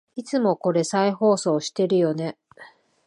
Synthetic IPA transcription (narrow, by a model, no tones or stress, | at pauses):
it͡sɨmo̞ko̞ɾe̞saiho̞ːso̞ːɕi̥t̪e̞ɾɯ̟jo̞ne̞